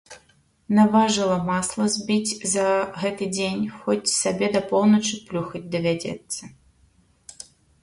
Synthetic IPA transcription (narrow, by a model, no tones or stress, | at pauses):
navaʐɨlˠɐmaslˠɐzʲbʲit͡sʲzɐɣɛt̪ɨd͡zʲenʲxɔt͡sʲsabʲɛd̪ɐpɔlw̪ˠnɐt͡ʂɨplʲuxɐd͡zʲd̪ɐvʲad͡zʲɛ̰t̪sːɐ